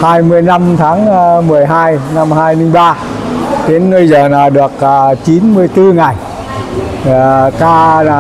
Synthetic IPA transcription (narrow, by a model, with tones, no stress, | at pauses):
haː˧jmɨ˧əjna˧mt̪ʰaː˨˦ŋ˧mɨ˨˩əjɦaː˧jna˧mhaː˧jmi˧ŋɓaː˧ | ɗ̪e˨˦nːɨː˧jzəː˨˩naː˨˩wɗɨ˨˩ək̚ːt͡ɕi˨˦nmɨ˧əjt̪ɨ˧ŋa˨˩j | kaː˧aː˨˩